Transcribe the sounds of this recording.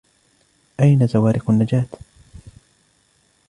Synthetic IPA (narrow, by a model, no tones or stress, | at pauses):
ʔajnazawaːɾʔɪqʊnːad͡ʒaːt̪